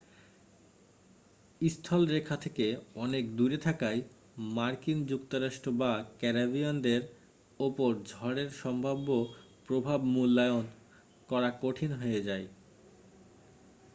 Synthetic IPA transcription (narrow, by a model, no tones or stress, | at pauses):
ist̪ʰɔlɾekʰːat̪ʰekeɔnekd̪uɾet̪ʰakaj | maɾkind͡ʑukt̪oɾaʃʈɾobakɛɾabiond̪eɾ | opoɾd͡ʑʱɔɽeɾʃɔmbʱabːo | pɾobʱabmulːaeon | kɔɾakoʈʰinɦoed͡ʑae